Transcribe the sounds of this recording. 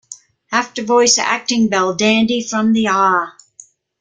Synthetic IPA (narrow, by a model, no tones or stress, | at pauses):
æftə˞vɔɪsæ̰k̚tɪ̃ŋbɛlˠdæ̃ndifɹʌ̃mðiɑɹ